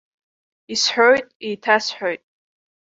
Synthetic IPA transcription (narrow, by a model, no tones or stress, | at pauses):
isħʷᶣojtʼitʰasħʷᶣojtʼ